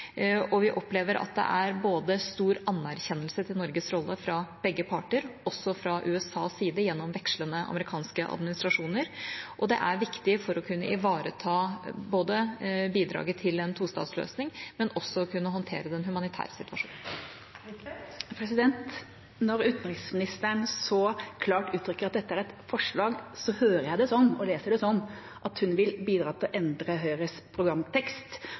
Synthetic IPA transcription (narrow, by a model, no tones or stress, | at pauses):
ɔʋɪʔɔpleːʋəɾʔɑ̰t̪̚d̪ɛ̰ʔæɾboːd̪əst̪uːɾɑnːæɾçɛnːəlsət̪ʰɪlnɔɾɡəsɾɔlːəfɾɑb̥ɛɡːəpʰɑʈəɾɔsːɔfɾɑʔʉːɛsɑːsiːd̪əjɛnːɔmʋɛkʂlənəɑ̰məɾɪkʰɑːnskəʔɑ̰d̪mɪnɪst̪ɾɑʂuːnəɾʔɔd̪ɛ̰ʔæɾʋɪkt̪ɪfɔɾɔkʰʉnːəʔɪʋɑːɾət̪ʰɑːboːd̪əbiːd̪ɾɑ̰ːɡət̪ʰɪlɛnt̪ʰuːst̪ɑ̰ːt̪slø̰ːsnɪŋmɛnɔsːɔkʰʉnːəɦɔnt̪ʰḛːɾəd̪ɛnɦʉmɑnɪt̪ʰæ̰ːɾsɪt̪ʋɑʂṵːn | pʰɾɛsɪd̪ɛnt̪ | nɔɾʉːt̪n̩ɾɪksmɪnɪst̪əɳsɔkʰlɑːʈʉːt̪ʰɾʏkːəɾɑt̪̚d̪ɛt̪ːəæɾɛt̪fɔʂɭɑːɡsɔhøːɾəjæɪd̪ɛsɔnːɔleːsəɖɛsɔnː | ʔɑt̪hʉnʋɪlbiːd̪ɾɑːt̪ʰɪlʔɛnd̪ɾəɦœʏɾəspʰɾʊɡɾɑmt̪ʰɛkst̪